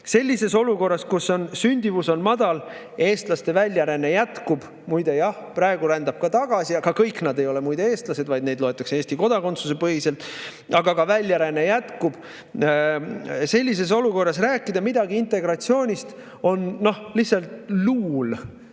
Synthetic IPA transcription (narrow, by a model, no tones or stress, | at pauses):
se̞lʲːise̞so̞luko̞rːɑskuso̞nsynʲd̪̥ʲivuso̞nmɑd̪̥ɑl | e̞ːst̪lɑst̪e̞vælʲjɑɾenejæt̪kub̥ | mujd̪̥e̞jɑhprɑeɡ̥uɾænd̪ɑb̥̚kɑt̪ɑɡ̥ɑsiɑkɑkɤjkːnɑd̪e̞jo̞le̞mujd̪e̞e̞ːst̪lɑse̞d̪vɑjd̪ne̞d̪lo̞et̪ːˑɑksee̞ːst̪iko̞d̪̥ɑko̞nt̪suse̞pɤɦise̞lt̪ˑ | ɑɡɑkɑvælʲːjæɾene̞jæt̪kub̥ | se̞lʲːis̬e̞s̬o̞luko̞rːɑs̬ræːkːˑid̪ɑmid̪ɑɡiint̪ˑe̞ɡ̥ɾɑt̪sio̞ːnʲist̪ | o̞nːo̞hlihsɑlt̪luːl